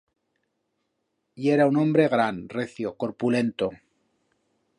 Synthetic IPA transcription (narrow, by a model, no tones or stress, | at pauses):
ie̞ɾaunõ̞mbɾe̞ɣɾanreθjoko̞ɾpule̞nt̪o